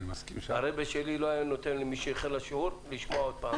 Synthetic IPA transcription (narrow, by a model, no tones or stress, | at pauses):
askimha̰ɾebeʃeliloajanot̪enlimiʃejeχelaʃuɾliʃmoaod̪̚paː